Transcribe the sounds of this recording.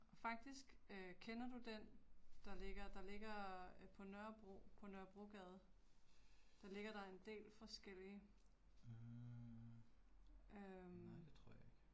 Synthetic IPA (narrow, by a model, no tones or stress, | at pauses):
ɒ̽fɑ̈ɡ̥̚d̥isɡ̥kʰenɐd̥ud̥end̥ɑ̈le̝ɡ̥ɐd̥ɑ̈le̝ɡ̥ɐpʰɒ̽nœɐb̥ʁo̰pʰɒ̽nɶɐb̥ʁoɡ̥ɛːð̞̩ˠ | d̥ɑ̈le̝ɡ̥ɐɾ̥ɑ̈e̝nd̥e̝̰ːlfɒ̽sɡ̥el̰iə | ʔømdet͡sʰʁo̝ɐ̰jeɡ̥